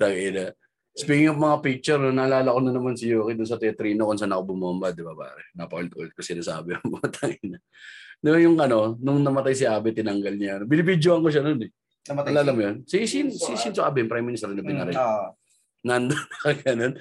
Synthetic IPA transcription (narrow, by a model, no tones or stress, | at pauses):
t̪ɐɡɪnɐ | spiɡɪŋɐmɐŋapik̚t͡ʃɛɾnonɐlaːlɐkonɐnɐmansɪjoːkid̪ʊns̬ɐt̪ɛɐt̪ɾiːnokʊnsaːnːɐkobʊmambad̪ɪbaba̰ːɾɛnɐpɐʔolt̪̚ʔolɛt̪̚kɐsɪnasa̰ːbɛɐŋmɐmt̪ʰɐŋɪnɐ | nojʊŋʔɐno̞nʊŋnɐmɐt̪ajsɪʔaːbɛt̪ɪnɐŋɡɐlɲaɐnobɪnɪbid͡ʒ̪joʔɐŋkoʃ̬ɐnonɛ | alaːlamʊjonsɪsɪnsɪsɪnsɐkabɪnpɾajmːɪnɪst̪ɛɾnɐbɪnaɾɛ | nɐnd̪onɐkɐɡɐnon